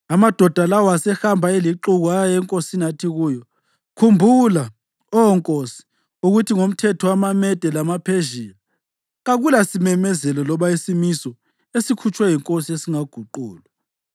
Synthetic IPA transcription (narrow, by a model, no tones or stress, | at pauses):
amad̥ʱɔd̥ʱalawasɛxambʱaeliǃuɣuajjɛŋkʼosinatʰiɣuːjɔ | kʰumbʱula | ɔɔŋkʼosi̥ | uɣutʰiŋom̩tʰɛtʰɔwamamɛd̥ʱɛlamapʰeʒiːla | ɣaɣulasimɛmɛzɛlɔlɔβaisimisɔ | esikʰut͡ʃʰʼwɛjiŋkʼosiesiŋaɡ̥ʱuǃuːlwa